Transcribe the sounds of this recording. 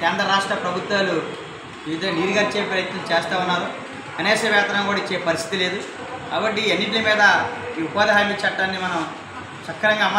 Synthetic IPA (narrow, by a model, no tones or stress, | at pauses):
kɛːnd̪ɾɐɾaːʂʈɾɐpɾɐbʱut̪ʋaːlu | iːʋid̪ɐŋːɡːɐniːɾiɡaːɾit͡ʃeːpɾɐjɐt̪nɐmt͡ʃeːst̪aːunːaːɾu | kɐneːsɐʋjaːt̪ɐɾɐŋkuːɽaɐit͡ʃːeːpɐɾist̪ʰi̥t̪ile̞ːd̪u | kaːbɐʈːienːiʈ̬limiːd̪ɐiːupaːd̪ɐɦaːmiːt͡ʃɐʈːaːnːimɐnɐm | t͡ʃɐkːɐɾɐŋɡaːmɐ